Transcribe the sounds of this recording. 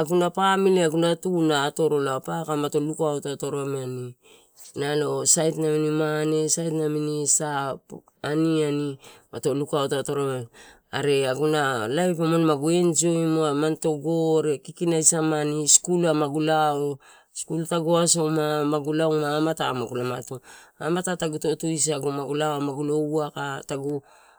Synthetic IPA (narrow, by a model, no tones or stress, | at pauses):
aɡunapamileaɡunatunaːto̞ɾo̞lapakamato̞lukaotatoɾoameani | nalo̞sajtnaminimane̞sajtnaminisap | anianimato̞lukaotato̞ɾame | aɾe̞aɡunalajpomonmaɡue̞nd͡ʒioimoamanto̞ɡo̞ɾe̞kikinajsamaniskulamaɡulao | skultaɡoaso̞mamaɡulawmaːmatamaɡulamatoamatataɡuto̞tuis̬aɡumaɡulawamaɡulo̞uakataɡu